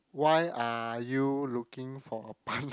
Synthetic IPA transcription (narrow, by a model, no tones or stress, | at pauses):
wajʔajulukĩŋfɔəpɔ̃n